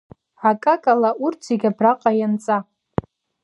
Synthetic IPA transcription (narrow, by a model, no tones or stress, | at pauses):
akʼakʼalaurtʰiɡʲabraqʼajant͡sʼa